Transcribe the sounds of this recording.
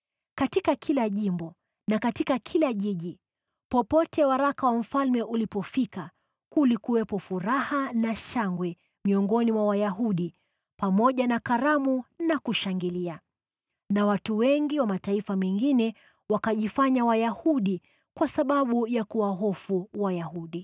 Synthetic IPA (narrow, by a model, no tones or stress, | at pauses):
katikakʰilaʄimbɔ | nakatikakʰilaʄiʄi | pɔpɔtɛwaɾakawam̩falmɛʔulipɔfika | kulikuwɛpɔfuɾahanaʃaŋɡwɛ | miɔŋɡɔnimwawajaɦuɗi | pamɔʄanakaɾamunakuʃaŋɡilia | nawatuwɛŋɡiwamataifamɛŋɡinɛ | wakaʄifaɲawajahuɗi | kwasaɓaɓujakuwaɦɔfuwajahuɗi